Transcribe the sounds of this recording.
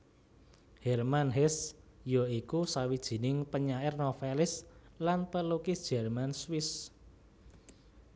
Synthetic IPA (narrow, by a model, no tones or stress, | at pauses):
hɛrmanɦɛsjɔikusawid̥ʒ̥i̤nɪŋpəɲaɪrnofelɪslanpəlukɪsd̥ʒ̥ɛ̤rmanswɪs